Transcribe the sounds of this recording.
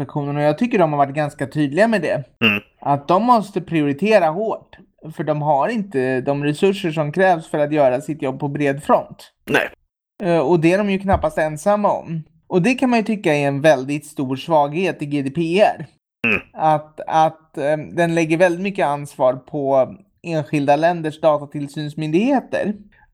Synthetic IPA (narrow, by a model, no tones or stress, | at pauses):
akɧuːnənɔjɑːɡ̚t̪ʰʏkːəɖɔmhaɾvaʈ̚ːɡanskat̪ʰyːd̪lɪɡamɛd̪ɛ̰ | ʔat̪̚d̪ɔmːɔst̪əpʰɾɪʊɾɪt̪ʰeːɾahoːʈ | fœɖɔmɦaɾɪnt̪əd̪ɔmɾɛsɵʂːəʂɔmkʰɾɛːvsfœɾat̪jœːɾasɪt̪jɔbːpʰɔbɾeːd̪fɾɔnt̪ | nɛ̰ | ɔd̪ɛæɖɔmjɵkʰnapːast̪ɛnsamːaɔ̰m | ʔɔd̪ɛkʰanmanjɵt̪ʰʏkːaɪɛnvɛld̪ɪt̪st̪uːɾʂvɑːɡheːt̪ɪɡeːd̪epʰeːæɾ | at̪at̪d̪ɛnlɛɡːəɾvɛld̪ɪt̪mʏkːəansvɑːɾpʰɔ | eːnɧɪld̪alɛnd̪əʂd̪ɑːt̪at̪ʰɪlsyːnsmʏnd̪ɪɡheːt̪ə̰ɾ